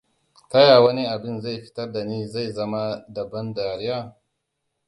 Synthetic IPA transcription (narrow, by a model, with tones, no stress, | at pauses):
tɐ˦jaː˨wɐ˦ni˦ʔa˨bɪ˦nza˦˨jɸɪ̥˦tɐ˦rda˨niː˦za˦˨jzɐ˦ma˦dɐ˨bɐ˦ndaː˨ɾɪ˦jaː˦˨